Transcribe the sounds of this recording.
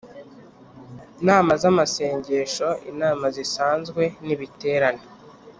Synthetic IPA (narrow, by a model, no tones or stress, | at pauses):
naːmazamase̞ːɲɟe̞ʃo̞ḭnaːmazisaːnzɡwe̞niβite̞ːɾane